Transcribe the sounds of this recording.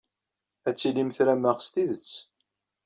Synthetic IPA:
æt͡sːilimθɾæmæʁst̪iðət͡sː

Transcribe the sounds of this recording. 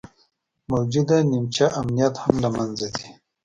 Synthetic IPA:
mawd͡ʒud̪animt͡ʃaʔamnijat̪hamlamanzad̪i

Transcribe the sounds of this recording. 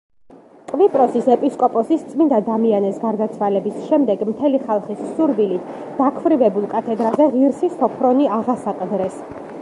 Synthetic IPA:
qʼvipʼɾɔsisɛpʼiskʼɔpʼɔsist̪sʼmind̪ad̪amianɛsɡaɾd̪at̪sʰwalɛbisʃɛmd̪ɛɡmt̪ʰɛliχalˠχissuɾvilit̪ʰ | d̪̥akʰvɾivɛbulˠkʼat̪ʰɛd̪ɾazɛʁiɾsist̪ʰɔpʰɾɔniaʁasaqʼd̪ɾɛs

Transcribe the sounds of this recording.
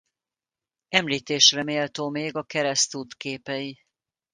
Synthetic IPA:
ɛmliːt̪eːʃrɛmeːlt̪oːmeːɡɒkɛɾɛst̪uːt̪keːpɛi

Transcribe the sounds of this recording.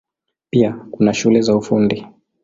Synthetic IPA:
piakunaʃulɛzaufundi

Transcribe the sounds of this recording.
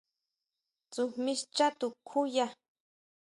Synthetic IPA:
t͡sumiʃt͡ʃat̪ukʰuja

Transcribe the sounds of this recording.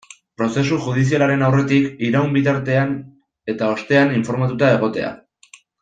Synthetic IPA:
pɾo̞se̞s̬uʝuð̞is̬ialaɾe̞nawre̞t̪ikiɾaumbit̪aɾt̪e̞an | e̞t̪ao̞st̪e̞aniɱfo̞ɾmat̪ut̪ae̞ɣ̞o̞t̪e̞a̰

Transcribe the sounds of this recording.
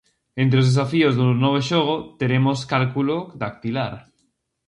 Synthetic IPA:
ẽnt̪ɾeozðes̬afiozðunɔβ̞eʃoɣ̞ot̪eɾemoskalkulod̪ak̚t̪ilaɾ

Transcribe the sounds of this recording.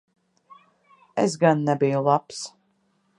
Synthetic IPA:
ɛs̬ɡanːɛbijulˠaps

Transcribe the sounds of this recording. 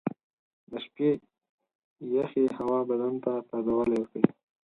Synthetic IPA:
d̪əʃpe | jaxehawɑbad̪ant̪at̪ad̪awəlajwəkɽi

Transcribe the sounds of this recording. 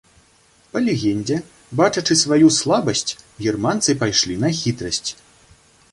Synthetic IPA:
pɐlʲɛɣʲɛnʲd͡zʲɛ | bat͡ʂɐt͡ʂɨsvajuslˠabɐsʲt͡sʲɣʲirmant̪sɨpajʂlʲinɐxʲit̪ɾɐsʲt͡sʲ

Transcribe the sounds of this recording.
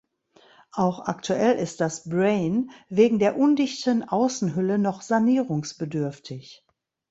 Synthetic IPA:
ʔaʊxa̰ktʰuʔɛlʔɪst̚d̥asbʁeɪnveːɡŋ̩deːɐʔʊndɪçtənʔaʊsn̩ɦʏlənɔχz̥aniːʁʊŋsb̥ədʏɐftʰɪç

